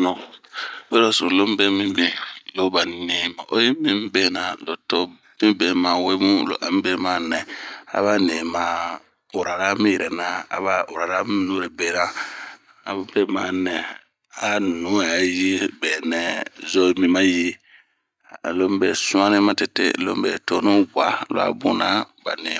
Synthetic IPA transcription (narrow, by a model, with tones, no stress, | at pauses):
nɔ˨be˦lo˦sɔ̰̃˨lo˦m˦bɛ˦mĩ˦bẽ˨lo˦ba˨ne˦mã̰˨ʔo̰˦je˦mĩ˦m˦bɛ˦na˨lo˨to˦ | mĩ˦bɛ˨mã˨we˦mũ˦lo̰˨ʔa˨m̃˦bɛ˦ma˦nɛ̃˨a̰˨βa˦ne˨mã˨ | o˨ɾa˨ɾa˦mĩ˦jɛ˨ɾɛ˨na˦a̰˨βa˦o˨ɾa˨ɾa˦m˦i˦no˦ɾe˨bɛ˦na˦ | a̰˨˦bɛ˦ma˨nɛ̃˨ | a˨nũ˦a˨˦ji˦bɛ˨nɛ̃˨˦zo˦mĩ˦mã˦ji˦˨ | lo˦m˦bɛ˨sũ˦ã˦nĩ˦mã˦te˨tḛ˦˨lo̰˦m˦bɛ̰˨to˦nõ˦ɡʷa˨˦lo̰˨a̰˨bṵ̃˨na˦ba̰˨ne˨